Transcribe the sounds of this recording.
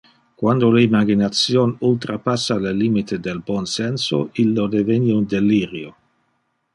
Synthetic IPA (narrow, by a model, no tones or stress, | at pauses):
kwand̪oleimaɡinat̪sjonult̪ɾapasːaleliːmit̪ʰed̪elbɔnsɛnso̰ilːod̪eveniund̪eliːɾjo